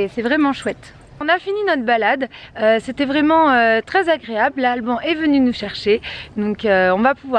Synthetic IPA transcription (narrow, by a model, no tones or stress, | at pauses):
sɛvʁɛmɑ̃ʃwɛt̪ | ɔ̃nafininɔt̪χbalad̪øset̪ɛvʁɛmɑ̃øt̪χɛzaɡʁeabllalbɔ̃ʔɛvənynuʃɛʁʃed̪ɔ̃køɔ̃vapuvwa